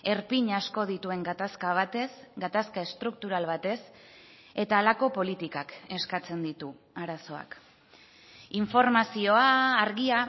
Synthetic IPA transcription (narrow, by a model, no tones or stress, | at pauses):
e̞ɾpiɲasko̞ð̞it̪ue̞ŋɡat̪askaβ̞at̪esɡat̪askae̞st̪ɾuk̚t̪uɾalβat̪e̞s | e̞t̪aːlako̞po̞lit̪ikake̞skat͡se̞nd̪it̪u | aɾaso̞a̰k | iɱfo̞ɾmasio̞aːɾɣia